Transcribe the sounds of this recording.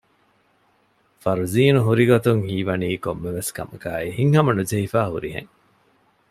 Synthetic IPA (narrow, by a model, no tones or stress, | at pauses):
fɐɾuziːnuɦuɾiɡot̪uŋhiːʋɐniːkomːeʋeskɐ̰mɐkaːihiŋhɐmɐnud͡ʒɐifaːhṵɾiɦḛŋ